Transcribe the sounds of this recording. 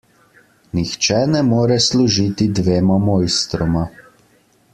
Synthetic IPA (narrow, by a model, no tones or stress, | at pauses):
nixt͡ʃɛnɛmoːɾɛsluʒit̪id̪ʋeːmɔmoːjst̪ɾɔma